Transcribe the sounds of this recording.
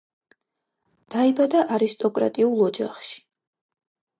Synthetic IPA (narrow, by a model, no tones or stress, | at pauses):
d̪̥aibad̪aʔaɾist̪ʼɔkʼɾa̰t̪ʼiulˠɔd͡ʒa̰χʃi̥